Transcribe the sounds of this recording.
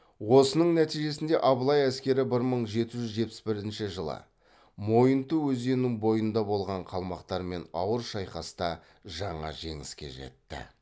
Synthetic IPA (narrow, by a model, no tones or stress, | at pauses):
wo̞sənəɴnæt̪ijʒe̞sɪnd̪e̞ʔɑbəlˠɑjæskʲe̞ɾɪbɪɾməɴʒe̞t̪ɪʒʏzʒe̞t̪̚pɪ̥sbɪɾɪnʃɪʒəlˠə̰ | mo̞jənt̪əwɵze̞nɪŋbo̞jənd̪ɑbo̞lˠʁɑɴqʰɑlˠmɑqt̪ɑɾme̞nɑwəɾʃɑjqɑst̪ɑ | ʒɑɴɑ̰ʒe̞̰ŋɪ̰skʲe̞̰ʒḛt̪ːɪ̰